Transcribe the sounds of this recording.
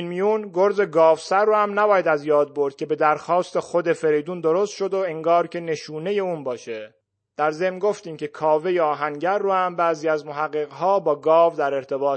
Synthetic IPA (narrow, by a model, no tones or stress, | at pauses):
nmijunɡo̞ɾze̞ɡɒːvsæɾːoːhæmnæbɒːjæd̪æzjɒːd̪̚bo̞ɾd̪̥̚cʲʰe̞be̞d̪æɾxɒːst̪e̞xo̞d̪e̞fe̞ɾejd̪uːnd̪o̞ɾost̪ʃo̞d̪oeŋɡɒːɾcʰe̞ne̞ʃuːne̞je̞uːnbɒːʃe̞ | d̪̥æɾze̞mnɡo̞ft̪iːmcʰe̞kʰɒːve̞jeɒːɦæŋɟæɾːohæmbæːziːæzmoɦæɣːeɣɦɒːbɒːɡɒːvd̪æɾe̞ɾt̪ʰe̞bɒːt̪